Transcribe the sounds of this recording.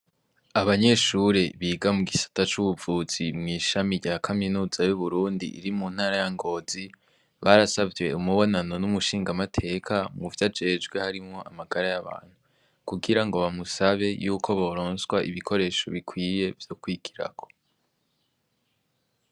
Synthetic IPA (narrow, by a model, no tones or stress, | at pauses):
aβaɲe̞ʃuɾeβiːɡamuɡisḁtat͡ʃuβuvuːz̥imŋiːʃamiɟakʰaminuːzajuβuɾuːndḭʔːɾimun̥haːɾajaŋɡo̞ːzi | βaɾasavjwe̞umuβo̞nano̞numuʃiːŋɡamatʰe̞kʰamuvjad͡ʒe̞ːd͡ʒɡwe̞haɾimŋo̞ʔa̰maɡaɾajaβa̰ːn̥hu | kuɡiɾaŋɡo̞βamusaβe̞juːkʰo̞βo̞ɾoːnswaʔḭβikʰo̞ɾe̞ːʃo̞βikʰwiːje̞vjo̞kwiːɡ̥iɾa̰ko̞̥